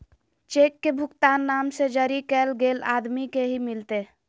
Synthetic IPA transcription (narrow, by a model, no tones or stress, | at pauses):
t͡ʃekːebʱʊkt̪anːamsed͡ʒəɾikɛlɡela̰d̪mikeɦimilt̪e